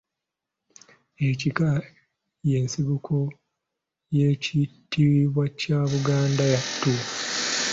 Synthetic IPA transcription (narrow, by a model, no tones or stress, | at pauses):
ecika | je̞ːnsiβukʰo̞ | je̞citːiɾiβwacaβuɡaːndajatːu